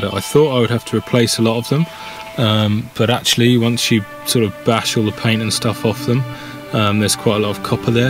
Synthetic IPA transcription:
əʔa̰ɪθɔˑtaɪwəd̚haftʰəɹɪpʰl̥eɪsəlɒtəvðə̃m | ʌ̃mb̥ʌɾak̚t͡ʃʉəl̩ˠiwʌ̃nsjə | sɔˑɹɾəvb̥aʃɔːlˠðəpʰẽɪ̃ntə̃nstʌfɒfðə̃m | ʌ̃mðəz̥kʰw̥aɪtəlɔtəv̥kʰʌpʰəðə

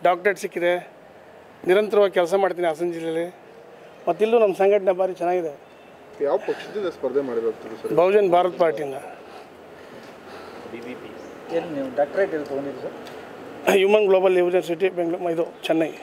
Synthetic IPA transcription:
ɖaːk̚ʈeʈsikːid̪e | niɾɐnt̪ɐɾɐʋaːɡʲkɛls̬ɐmaːɽt̪̬iːnias̬ɐnd͡ʒilːeɐlːi | mɐt̪ːilːunɐmːɐsɐŋɡɐʈ̬nɐbʱaːɾit͡ʃɛnːaːɡid̪e | jaːʋɐpɐkʂɐd̪ind̪ɐspɐɾd̪ʱemaːɽbekut̪id̪usɐɾbʱɐwd͡ʒɐnbʱaːɾɐt̪paːɾʈijind̪ɐ | ibipi | eːnniːuɖaːk̚ʈɐɾeʈed̪ut̪oɳid̪usɐɾ | juːmɐnɡloːbɐlːiʋd͡ʒɐns̬iʈibeŋɡɭuid̪ut͡ʃɛnːɐɡi

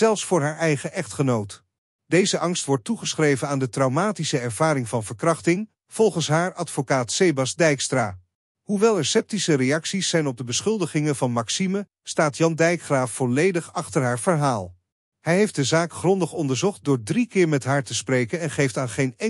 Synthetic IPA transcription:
zɛlˠfsfʊːɹɦaːɹɛjχəʔɛχtχənowt | dejzəʔɑŋstʋɔɹtːuχəsχrejvənaːndətrɑwmaːtisəɛɹv̥aːɾɪŋvɑnvəɹkrɑχtɪŋ | v̥ɔlˠχənsɦaːɹɑtfokaːtsejbɑsdɛjkstraː | ɦuʋɛlˠɛɹsɛp̚tisərejɑksisːɛjnɔb̚dəbəsχɵlˠdəχɪŋənvɑnmɑksimə | staːtjɑndɛjkχraːfːɔlejdəχɑχtəɹɦaːɹv̥əɹɦaːlˠ | hɛjɦejft̚dəzaːkχrɔndəχɔndəɹzɔχt̚dʊːɹdrikɪːɹmɛtɦaːɹtəsprejkənɛnχejftaːnχejnɛ

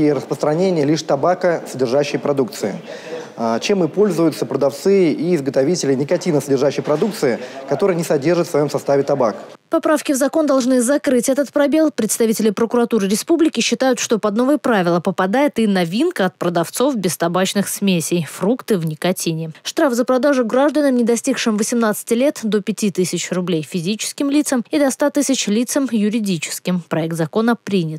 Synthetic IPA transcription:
iɾəspɾəst̪ɾɐnʲenʲɪjəlʲiʂt̪ɐbakəsədʲɪrʐaɕːɪjpɾɐd̪ukt̪sɨɪ | at͡ɕe̞mɨpo̞lʲzʊjʊt̪səpɾəd̪ɐft̪sɨiɪzɡət̪ɐvʲitʲɪlʲɪnʲɪkɐtʲinəsədʲɪrʐaɕːɪjpɾɐd̪ukt̪sɨɪkɐt̪o̞ɾɨjənʲɪsɐdʲe̞rʐɨt̪fsvɐjo̞msɐst̪avʲɪt̪ɐbakpɐpɾafkʲɪvzɐko̞nd̪ɐlˠʐnɨzɐkɾɨtʲɛt̪ət̪̚pɾɐbʲe̞lˠpɾʲɪt̪st̪ɐvʲitʲɪlʲɪpɾəkʊɾɐt̪uɾɨɾʲɪspublʲɪkʲɪɕːɪt̪ajʊt̪ʂt̪o̞pɐd̪no̞vɨjəpɾavʲɪlˠəpəpɐd̪ajɪt̪ɨnɐvʲinkəɐt̪̚pɾəd̪ɐft̪so̞fbʲɪst̪ɐbat͡ɕnɨxsmʲesʲɪjfrukt̪ɨvnʲɪkɐtʲinʲɪʂt̪ɾafzəpɾɐd̪aʐʊɡɾaʐd̪ənəmnʲɪd̪ɐsʲtʲikʂɨmvəsʲɪmnat̪sɨ̥tʲɪlʲe̞t̪d̪o̞pʲɪtʲit̪ɨsʲɪt͡ɕrʊblʲejfʲɪzʲit͡ɕɪ̥skʲɪmlʲit̪səmid̪ɐst̪at̪ɨsʲɪt͡ɕlʲit̪səmjʊɾʲɪdʲit͡ɕɪ̥skʲɪmpɾɐɛk̚t̪zɐko̞nəpɾʲinʲɪt̪

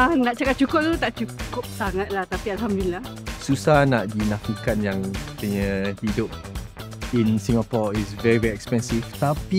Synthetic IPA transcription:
anaʔt͡ʃakap̪̚t͡ʃukʊp̚t̪ut̪aʔt͡ʃukkʊp̚saŋat̪̚laht̪apialɦamdulilah | susahnaʔdinafikat̚jãŋt̪əɲəhidʊp̚ | ĩnsĩŋapɔisvɛɹivɛɹiɛkspɛ̃nsift̪api

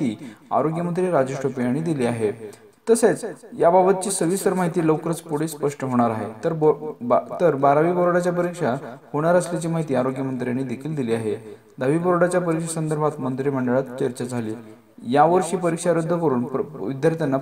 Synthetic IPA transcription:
ia̰ɾoɡjəmənt̪ɾiɾad͡ʑeʂʈopijaɽ̃iːd̪iliːaɦe | t̪əset͡sjababət̪̚t͡ɕiːsəʋisəɾmaɦit̪iːləwkɾət͡spuɽ̤espəʂʈəɦoɽ̃aɾaɦet̪əɾbt̪əɾbaɾaʋiːbəɾoɽat͡ɕjapəɾikʂahoɽ̃aɾəslat͡ɕiːmaɦit̪iːaɾoɡjəmənt̪ɾijaɽ̃id̪ekʰiːld̪iliːaɦe | d̪aʋiːbəɾoɽat͡ɕjapəɾikʂasənd̪əɾbʱat̪mənt̪ɾiməɳɖəɭat̪t͡ɕəɾt͡ɕad͡zʱaliː | jaʋəɾʂiːpəɾikʂaɾəd̪ʱːəkəɾuːɳʋid̪jaɾt̪janːa

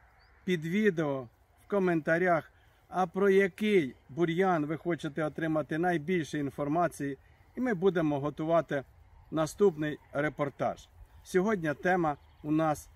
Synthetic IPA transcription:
pʲid̪ʋʲid̪eɔ | wkɔment̪ɐɾʲax | ɐpɾɔjɐkɪjbʊɾʲjanʋɪxɔt͡ʃet̪ɛɔt̪ɾɪmɐt̪ɪnɐjbʲilʲʃɛinfɔrmɑt͡sʲiji | imɪbud̪e̞mɔɦɔt̪ʊʋɑt̪ɪnɐst̪upnɪjɾepɔrt̪ɑ̰ʒ̥sʲɔɦɔdʲnʲɐt̪ɛmɐ | ʊnɑs

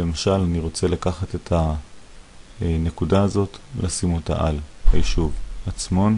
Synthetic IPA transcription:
le̞maʃalaniʁo̞t͡se̞lakaχate̞tʰa | ne̞kudaːzo̞tlasimo̞ta̰ʔalhajiʃuvat͡smo̞n

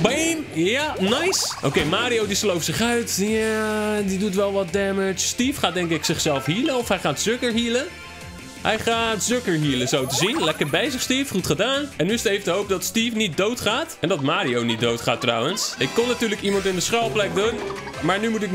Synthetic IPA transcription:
benjanajsʔo̰wkejmaːɾiowdislowfsɪχœɥtjadidutʋɛlˠʋɔt̚dɛmɪt͡ʃstifχaːt̚dɛŋkɪksɪχsɛlˠfɦiːləɔfɦɛjχaːtzøkəɹɦiːlə | ɦɛjχaːtzøkəɹɦiːləzowtəzinlɛkəɹbɛjzəχstiːfχutχədaːnɛnːyɪstejfdəɦowp̚dɑtstiːfnit̚dowtχaːtɛndɑtmaːɾiownit̚dowtχaːtrawənsɪkːɔnːatyːɹləkimɑntɪndəsχɛlˠplɛk̚dun | maːɹnymutɪk

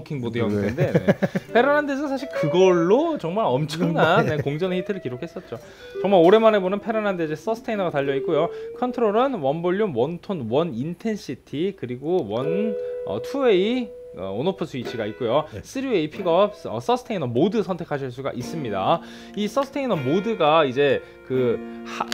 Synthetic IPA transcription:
kʰiŋbodɯɦjʌɡiende̞nepʰe̞ɾɯnandesʰɯnsʰaɕ̬ʰiɭkɯɡʌɭːot͡ɕʌŋmaɾʌmt͡ɕʰʌŋnanekoŋd͡ʑʌnehʰitʰɯɾɯɭkiɾokʰes͈ʌt̚t͡ɕ͈o | t͡ɕʌŋmaɭoɾe̞mane̞bonɯnpʰe̞ɾɯnanded͡ʑes͈ʌsʰɯ̥tʰeinʌɡataʎːʌik͈ojokʰʌntʰɯɾoɾɯnwʌnboʎːunwʌntʰonwʌnintʰe̞nsʰitʰikɯɾiɡowʌnʌ̰tʰuei | ʌ̰onopʰusʰuit͡ɕʰiɡait̚k͈ojos͈ʰɯɾieipʰiɡʌpʌs͈ʌsʰɯtʰeinʌmodɯsʰʌntʰe̞kʰaɕ̬ʰiɭs͈uɡa̰ʔis͈ɯmɲida̰ | is͈ʌsʰɯ̥tʰeinʌmodɯɡaid͡ʑe̞ | kɯh

